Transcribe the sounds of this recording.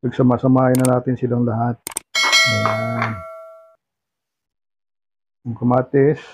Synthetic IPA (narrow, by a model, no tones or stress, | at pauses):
pɐɡsɐmaːsɐmaːjɐnːɐnaːt̪ɪnsɪlaŋlɐhat̪̚aan | ɐŋkʊmaːt̪ɪs